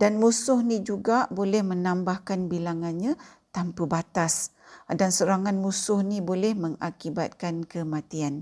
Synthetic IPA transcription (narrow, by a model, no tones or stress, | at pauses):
danmusʊhnĩd͡ʒuɡabolɛhmənambahkanbilaŋanɲã | t̪ampəbat̪as | dansəɾaŋanmusʊhnibolɛhməŋakiba̰t̪̚kankəmãt̪ian